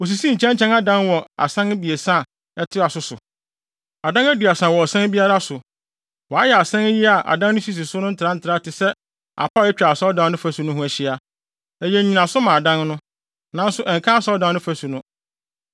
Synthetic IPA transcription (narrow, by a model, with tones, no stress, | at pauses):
o˨s̬i˨sĩ˦ɲ̩˨t͡ɕʰɛ̃˦ɲ˦t͡ɕʰɛ̃˦na˦dã˦nwɔ˨a̰˨sã˦n˦bi˨e˨sã˦˨ | ɛ˦tʰɪ˦a˨sʊ˦sʊ̰˨ | a˨dã˦næ˦dɥa˨sã˨wɔ˨sã˦n˦bi˦a˦ɾa˦sʊ˨ | wɔ˨a˦jɛ˨a˨sɛ̃˦n˦ji˦a˨ʔa̰˨dã˦n˦ʊ̃˦ɕi˦s̬i˨sʊ˦nʊ̃˦n̩˦tʰɪ˨ɾã˦n̩˦tʰɪ˨ɾa˦tʰɪ˨sɛ˦ | a̰˨pʰa˦˨ɛ˦t͡ɕᶣa˨sɔ˦dã˨˦n˦nʊ̃˦fæ˦su˨nʊ̃˦ɦʊ̃˦æ˨ɕɪ˦a˨ | æ˨jɛ̃˨˦ɲĩ˨nã˨sʊ˦mã˨dã˦nnʊ̃˦ | nã˦n̩˦sʊ˦ʔɛ˨ŋkʰã˦a˦sɔ˦dã˨n˦nʊ̃˦fæ˦su˨nʊ̃˦